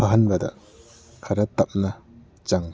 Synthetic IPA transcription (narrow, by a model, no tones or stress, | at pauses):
ɐɦɐnbɐdɐ̰ | kʰɐɾɐt̪ɐp̚nɐ | t͡ʃaŋ